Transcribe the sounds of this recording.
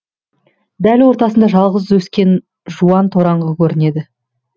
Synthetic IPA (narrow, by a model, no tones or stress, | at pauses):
d̪ælwo̞ɾt̪ɑsənd̪ɑʒɑlˠʁəzwɵskʲe̞n | ʒuɑnt̪ʰo̞ɾɑɴʁəkʲʰɵɾɪne̞d̪ɪ